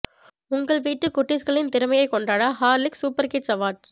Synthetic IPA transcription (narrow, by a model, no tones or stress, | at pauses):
ʊŋɡɐɭʋiːʈːɯkːʊʈːɪskɐɭɪnt̪ɪɾɯmɐjɐɪkːɔɳɖaːɽaːɦaːɾlɪksuːpɐɾkɪʈsɐʋaːʈ